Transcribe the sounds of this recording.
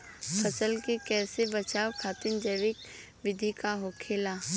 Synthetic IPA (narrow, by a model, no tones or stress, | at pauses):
pʰəsəlkikɛːsebət͡ʃaːwkʰaːt̪ɪnd͡ʒəːʋɪk | ʋɪd̪ʱikaɦoːkʰeːlaː